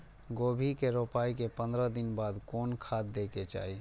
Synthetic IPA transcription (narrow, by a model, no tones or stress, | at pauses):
ɡoːbʱikeɾoːpaːikepə̃nd̪ɾəd̪ɪnbaːd̪kɔːnkʰaːt̪̚d̪eːket͡ʃa̰ːi